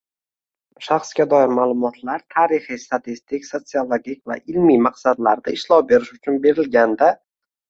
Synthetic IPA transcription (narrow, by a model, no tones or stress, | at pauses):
ʃaχsɡʲad̪ɒɪɾmalˠʊmɒt̪ʰlaɾt̪ʰaːɾɪχist̪at̪ʰist̪ɪkʲso̞t̪siolˠoɡʲikʲva̰ʔɪlmimaqsad̪laɾd̪aɪʃlɒwbe̞ɾɪʃʊt͡ʃʰʊnbe̞ɾɪlɡʲand̪a